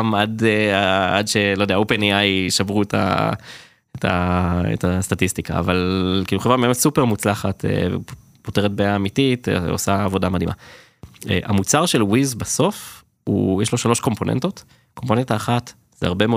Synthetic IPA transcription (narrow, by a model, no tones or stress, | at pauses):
madeaadʃe̞lodeaopeniajʃavʁuetʰa̰ | etʰa̰ḛtastatistika̰ːvalkiːluχevʁameesupeʁmut͡slaχatḛ | poteʁet̚beaːmitito̰saːvo̞damad̪ima̰ | ḛʔa̰mut͡saʁʃelwizbaso̞f | ṵjɛʃlo̞ʃalo̞ʃko̞mpo̞nḛnto̞t | kompo̞nentaːχat | zeaʁbe̞me